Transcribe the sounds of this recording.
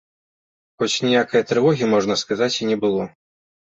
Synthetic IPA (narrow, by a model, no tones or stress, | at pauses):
xɔt͡sʲnʲijakɐjɐt̪ɾɨvɔɣʲimɔʐnɐskazat͡sʲinʲɛbɨlˠɔ